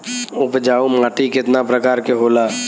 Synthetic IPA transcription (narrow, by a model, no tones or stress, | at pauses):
ʊpd͡ʒaːomaːʈikɪt̪napɾəkaːɾkeɦoːlaː